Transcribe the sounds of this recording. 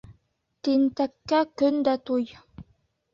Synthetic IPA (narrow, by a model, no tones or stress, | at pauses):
t̪int̪ækːækɵnd̪æt̪uj